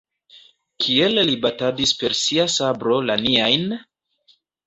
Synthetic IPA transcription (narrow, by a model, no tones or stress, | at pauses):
kʰie̞llibatadispe̞ɾsiasabɾo̞laniajn